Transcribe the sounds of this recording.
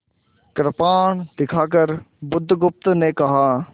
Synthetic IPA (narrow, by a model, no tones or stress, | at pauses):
kɾpaːɳd̪ɪkʰaːkəɾ | bʊd̪ʱːɡʊp̚t̪neːkɐɦaː